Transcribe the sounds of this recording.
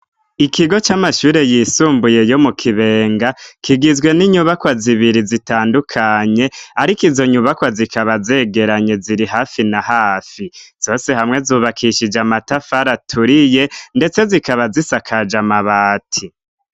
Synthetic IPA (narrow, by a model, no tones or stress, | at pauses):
ikiɡo̞t͡ʃamaʃuːɾe̞jisuːmbuje̞jo̞mukʰiβe̞ːŋɡakʰiɡizɡwe̞niɲuβakwaziβiɾizitaːndukʰaɲe̞aɾikizo̞ɲuβakwazikʰaβaze̞ɡe̞ɾaɲe̞ziɾiɦaːfinahaːfiz̥o̞ːse̞hamŋe̞zuːβakʰiʃid͡ʒamatafaɾatʰuɾije̞nde̞t͡se̞zikaβazisakʰad͡ʒamaβaːtʰi